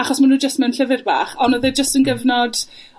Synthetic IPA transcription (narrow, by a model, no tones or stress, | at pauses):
aχɔsmanuːd͡ʒəstmanɬəvɪrba̰ːχɔnɔðɛd͡ʒəstənɡəvnɔd̥